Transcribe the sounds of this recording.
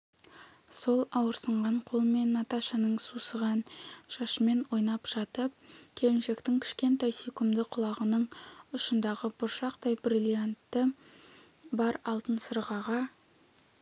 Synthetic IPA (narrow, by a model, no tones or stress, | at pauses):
so̞lˠɑwəɾsəɴʁɑɴqʰo̞lˠəme̞nːɑt̪aʃɑnəɴsusəʁɑnʃɑʃəme̞nwo̞jnɑpʒ̥ɑt̪əp̚kʲʰe̞lɪnʃe̞kt̪ɪŋkʲʰɪ̥ʃkʲe̞nt̪ɑjsekʲʊmd̪ɪqʰʊlˠɑʁənəɴʊʃənd̪ɑʁəbʊɾʃɑqd̪ɑjbrilʲˠijant̪ːə | bɑɾɑlˠt̪ənsəɾʁɑʁɑ